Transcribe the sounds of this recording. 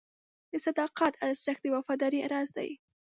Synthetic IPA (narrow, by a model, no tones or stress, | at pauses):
d̪əsad̪ɑqat̪ʰaɾzz̥axt̪d̪əwafɑd̪ɑɾia̰ɾɑzd̪a̰j